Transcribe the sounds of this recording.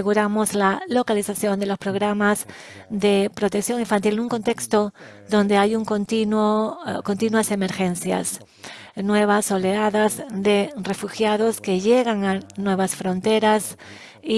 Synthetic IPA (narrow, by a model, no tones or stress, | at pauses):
eɣuɾamo̞zlalo̞kalisaθjo̞nd̪e̞lo̞spɾo̞ɣ̞ɾamaz | ðe̞pɾo̞t̪eksjo̞ŋĩɱfant̪ilenuŋko̞nt̪e̞kst̪o | ðo̞nd̪e̞ajuŋkont̪inwokont̪inwase̞me̞ɾxe̞nθja̰s | nwe̞β̞aso̞leaðazðe̞re̞fuxjaðoske̞ʝeɣaŋanwe̞βasfɾo̞nt̪e̞ɾas | i